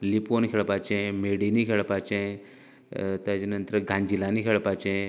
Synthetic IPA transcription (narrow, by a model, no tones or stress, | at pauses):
lipoːnkʰeɭpaːt͡ʃẽmeɽinikʰeɭpaːt͡ʃẽ | t̪ad͡ʒinənt̪ɾəɡʱãɲd͡ʒilaniːkʰeɭpaːt͡ʃẽ